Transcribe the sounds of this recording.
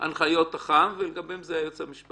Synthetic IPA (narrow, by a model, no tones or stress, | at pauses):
a̰nχajo̞t̪aχamveleɡabemzeajot͡semiʃpa